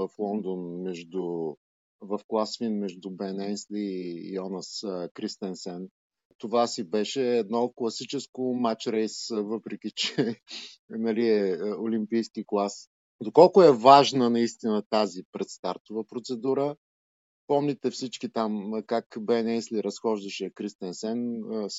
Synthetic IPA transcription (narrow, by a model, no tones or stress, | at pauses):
vəflˠɔnd̪onmɛʒd̪u | vɐfklˠasfinmɛʒd̪ʊbɛnɛnsliːɔnəskɾist̪ɛnsɛn | t̪ovasibɛʃɛːd̪nɔklˠɐsit͡ʃɛskʊmat͡ʃɾɛjsvɤpɾɛk̟ʲit͡ʃɛ | nɐliɛolimpijskiklˠas | d̪okɔlˠkʊɛvaʒnənɐist̪inət̪azipɾɛt̪st̪aɾt̪ʊvəpɾot̪sɛd̪uɾə | pɔmlʲit̪ɛfsit͡ʃkit̪amkakbɛnɛnsliɾɐsxɔʒd̪ɐʃɛkɾist̪ɛnsɛns